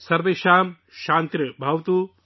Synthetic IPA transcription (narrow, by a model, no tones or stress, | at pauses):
sɐɾbɐʃaːm | ʃaːnt̪ɾʲɐbʱɐwt̪u